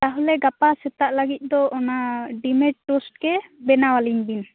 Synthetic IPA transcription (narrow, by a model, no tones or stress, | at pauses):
t̪aɦɔlɛɡapasɛt̪aʔlaɡit̪̚ˀd̪ɔɔnaɖimeʈ̚ʈːosʈkɛbɛnawaliɲbin